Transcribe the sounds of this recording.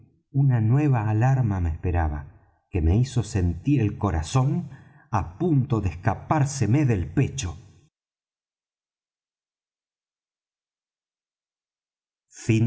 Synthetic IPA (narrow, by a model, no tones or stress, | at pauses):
unanwe̞βaːlaɾmameːspeɾaβa̰ | keme̞iso̞se̞nt̪iɾe̞lko̞ɾaso̞n | apunt̪o̞ðehkapaɾseme̞ðelpe̞t͡ʃo̞ | fin